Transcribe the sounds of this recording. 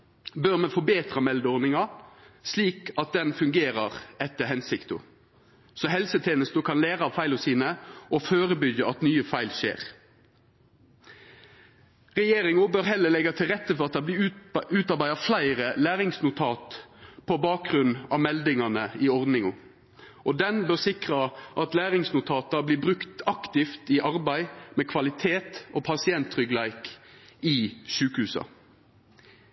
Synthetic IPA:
bøʁmɛfɔbeːt̪ʁɑmɛld̪əɔʁnɪŋɑsliːkɑt̪̚d̪ɛnfʉŋɡeːɾɑʁɛt̪ːəɦɛnsɪkt̪ʊ̰ | sɔɦɛlsət̪ʰeːnəst̪əkʰɑnleːʁɑɑʋfæɪlɔsiːnəʔɔføːʁəbʏɡjəɑt̪nyːəfæɪlʃḛːʁ | ʁɛjeːɾɪŋʊbøːʁɦɛlːəlɛɡɑt̪ʰɪlʁɛt̪ːəfɔʁɑt̪̚d̪ɑ | ʉːt̪ɑʁbæɪɑflæɪʁəlæːʁɪŋsnʊt̪ʰɑːt̪pʰobɑːk̚ʁʉn̩ɑ̰ʋmɛld̪ɪŋɑnəɪɔʁd̪nɪŋʊ | ʔɔd̪ɛnbøːʁsɪkʁɑʔɑt̪læːʁɪŋsnʊt̪ʰɑːt̪ɑbliːbʁʉkt̪ɑkt̪ɪft̪ɪʔɑʁbæɪmɛkʰʋɑlɪt̪ʰeːt̪ʔoːpʰɑsɪɛnt̪ːʁʏɡlæɪkɪʃʉːkəhʉːsɑ̰

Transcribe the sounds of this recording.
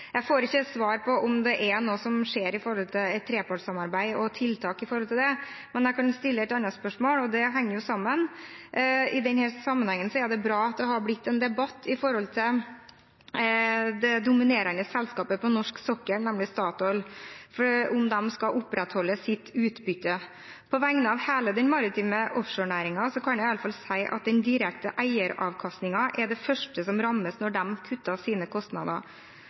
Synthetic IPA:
jæɪfoːɾɪçːət̪sʋɑːɾpʰɔʔʊmd̪ɛʔɛnoːsɔmʂeːɾɪfɔɾhɔlt̪ʰɪɛt̪ʰːɾeːpɑʈsɑmɑɾbæɪɔt̪ʰɪlːt̪ʰɑːkɪfɔɾɔlt̪ʰɪld̪ɛmɛnjæɪkʰɑnst̪ɪlːəɛt̪ɑnːɑspœʂmoːlɔd̪ɛɦɛŋːəɾjʊsɑmːən | ɪd̪ɛnhɛːɾsɑmːənhɛŋːənsɔæd̪ɛbɾɑːɑt̪ːɔɦɑɾblɪt̪ːɛnd̪ɛbɑt̪ːɪfɔɾhɔlt̪ʰɪl | d̪ɛd̪ʊmɪneːɾənəsɛlskɑːpəpʰɔnɔʂksɔkːəɾnɛmlɪst̪ɑːt̪ɔlfɔʊmd̪ɛmskɑʔʊpːɾɛt̪hɔlːəsɪt̪ʰːʉːt̪bʏt̪ːə | pʰɔʋæŋnəɑːʋheːləd̪ɛnmɑɾɪt̪ʰiːməʔɔfʂoːɳæːɾɪŋɑsɔkʰɑnjæɪɑləfɑlsæɪʔɑ̰t̪̚d̪ɛnd̪ɪɾɛkt̪ə̰ʔæɪəɾɑ̰ʋkʰɑst̪nɪŋɑʔɛɖɛfœʂʈəsɔmɾɑmːəsnɔɖɛmkʰʉt̪ːɑsiːnəkʰɔst̪nɑ̰d̪ə̰ɾ

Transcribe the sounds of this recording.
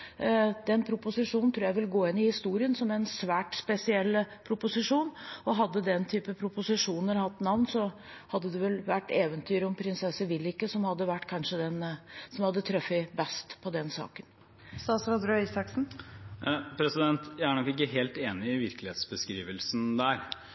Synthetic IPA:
d̪ɛnpʰɾʊpʊsɪʂuːnnt̪ʰɾuːjæɪʋɪlɡoːɪnːɪhɪst̪uːɾɪənsɔmɛnsʋæːʈspɛsɪɛlːpʰɾʊpʊsɪʂuːnɔɦɑd̪ːəd̪ɛnt̪ʰyːpəpʰɾʊpʊsɪʂuːnəɾhɑt̪ːnɑʋnsɔ | hɑd̪ːəd̪ɛʋɛlʋæʈːeːʋənt̪ʰyːɾɔmpʰɾɪnsɛsəʋɪlːɪkːəsɔmhɑd̪ːəʋæʈːkʰɑnʂəd̪ɛnsɔmhɑd̪ːət̪ʰɾœfːɪbɛst̪pʰɔd̪ɛnsɑ̰ːkən | st̪ɑːsɾɑd̪ɾœʏsɑksn̩ | pʰɾɛsɪd̪ɛnt̪jæɪæɳɔkːɪkːəɦeːlt̪eːnɪɪʋɪɾklɪheːt̪sbəskɾḭːʋəlsnd̪æɾ

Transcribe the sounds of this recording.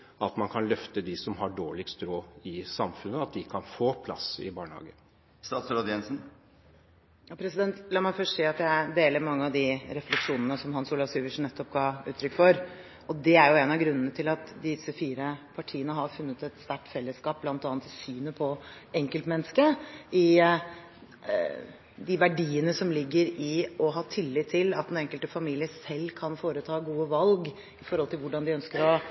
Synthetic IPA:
ɑt̪mɑnkʰɑnlœft̪əd̪ɪsɔmɦɑɖoːɭɪkst̪ɾoːɪsɑmfʉnːəɑt̪̚d̪ɪkʰɑnfoːpʰlɑ̰sɪ̰bɑːɳəhɑ̰ːɡə | st̪ɑːt̪sɾoːd̪jɛnsn̩ | jɑːpʰɾɛsɪd̪ɛnt̪lɑːmɑɪfœʂʈseːɑt̪jæɪd̪eːləɾmɑŋːəɑʋd̪ɪɾɛflɛkʂuːnənəsɔmhɑnsuːlɑʋsiːʋəʂɳ̩nɛt̪ːɔp̚ɡɑʉ̰ːt̪ʰɾʏkːfɔɾ | ɔd̪ɛæɾjʊeːnɑɡɾʉnːənət̪ʰɪlɑt̪d̪ɪsəfiːɾəpʰɑʈʰiːənəɦɑɾfʉnːət̪ɛt̪st̪æʈːfɛlːəskɑːp̚blɑnt̪ɑːnt̪ʰːɪsyːnəpʰɔɛŋkəlt̪mɛnəskəɪ | d̪ɪʋæɖiːənəsɔmlɪɡːəɾɪɔɦɑːt̪ʰɪlːɪt̪ʰːɪlɑt̪̚d̪ɛnɛŋkəlt̪əfɑmiːlɪəsɛlːkʰɑnfoːɾət̪ʰɑːɡuːəʋɑlɡ | ɪfɔɾhɔlt̪ɪlʋʊɖɑnd̪ɪœnskəɾɔ

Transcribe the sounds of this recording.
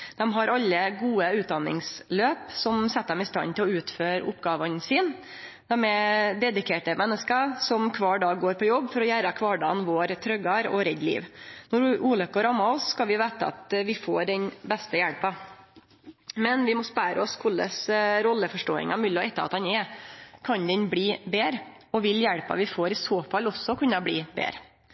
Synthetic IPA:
d̪ɛmɦɑɾɑlːəɡuːəʉːt̪̚d̪ɑnːɪ̰ŋsløːpsɔmsɛt̪ːəd̪ɛmɪst̪ɑ̰nt̪ʰɪlɔʉːt̪føːɾʊ̰pɡɑːʋənsɪːn | d̪̥æmɛd̪ɛd̪ɪkʰeːʈəmɛnːəskəsɔmkʰʋɑːɖɑːɡoːɾpʰɔjɔbːfɔɾɔjæːɾəkʰʋɑːɖɑːnʋoːɾt̪ʰɾœɡɑɾɔɾɛd̪lḭːʋnɔɾʔuːlœkːəɾɑmːɑɔsːkɑlʋɪʋeːt̪əɑ̰t̪ʋɪfoːɾɖɛnbɛst̪əjæɽpɑ | mɛnʋɪmɔspæːɾəɔskʰʊlːə̰sɾɔlːəfɔʂʈoːɪ̰ŋɑmɪlːɔɛt̪ːəɾɑ̰t̪hɑnɛkʰɑnd̪ɛnbɽiːbeːɾ | ɔʋɪljæɽpɑ̰ʋɪfoːɾɪsoːfɑlɔsːɔkʰʉnːɑbliːbḛːɾə

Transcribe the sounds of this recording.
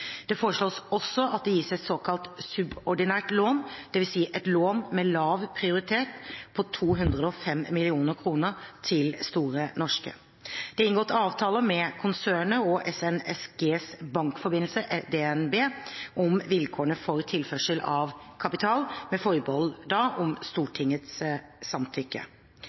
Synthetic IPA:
d̪̥ɛfoːɾəʂɭoːsɔsːɔʔɑt̪̚d̪ɛjiːsəɛt̪soːkʰɑlt̪sʉbɔɖɪnæːʈloːnd̪̥ɛʋɪlsiːʔɛt̪loːnmɛlɑːʋpʰɾɪʊɾɪt̪ʰeːt̪pʰɔt̪ʰuːɦʉnd̪ʁəd̪əɔfɛmːɪlɪuːnəɾkʰɾuːnəɾt̪ʰɪlst̪uːɾənɔʂkə̰ | d̪̥ɛɪnɡoːt̪ʰɑːʋt̪ʰɑːləmɛkʰʊnsøːɳəɔʔɛsɛnɛsɡeːsbɑŋkfɔbɪnl̩səʔɛd̪ɛɛnbeːʔɔmʋɪlkʰoːəɳəfɔɾt̪ʰɪlfœʂəlɑʋkʰɑpɪt̪ʰɑːlmɛfɔɾbɔld̪ɑʔɔmst̪uːʈʰɪŋːət̪ssɑmt̪ʰʏkːə̰

